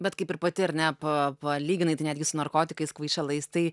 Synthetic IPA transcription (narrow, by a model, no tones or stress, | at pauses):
bʲɛt̪kɐɪpɪɾpɐt̪ʲɪɐɾnʲɛpɐpɐlʲiːɡʲɪnɐɪt̪ɐɪnʲæd̪ɡʲɪsʊnɐɾkoːt̪ʲɪkɐɪskʋɐɪt͡ʃʲɛlˠɐɪst̪ɐɪ